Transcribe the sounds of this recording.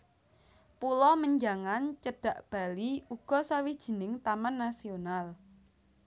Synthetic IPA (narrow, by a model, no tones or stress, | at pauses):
pulɔməɲd͡ʒaŋant͡ʃəɖ̥ä̤ʔb̥a̤liuɡ̥ɔ̤sawid̥ʒ̥ə̤nɪŋt̪amanːasional